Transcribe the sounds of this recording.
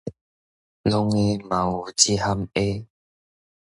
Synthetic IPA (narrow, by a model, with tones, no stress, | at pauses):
lo˦ŋe˦mã˨u˨˩t͡ɕi˦ha˦˧me˦